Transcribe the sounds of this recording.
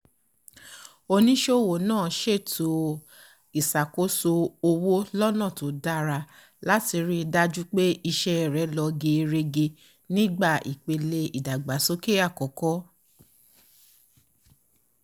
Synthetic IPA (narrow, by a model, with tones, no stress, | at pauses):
o˧nĩ˦ʃo˦˨wo˨nãː˦˨ʃe˦˨tʰo˨˦ | i˨sa˨ko˦so˧o˧wo˦lɔ˦nã˦˨to˨˦da˦ɾa˧ | la˦ti˧ɾi˦˧da˦d͡ʒu˦k͡pe˦i˧ʃɛ˦˨ɾɛ˨˦lɔ˧ɡe˧ɾe˧ɡe˧ | nĩ˦ɡ͡ba˦˨ʔḭ˨k͡pe˧le˧i˨da˨ɡ͡ba˨˦so˦ke˦a˦˨kɔ˨˦kɔ˦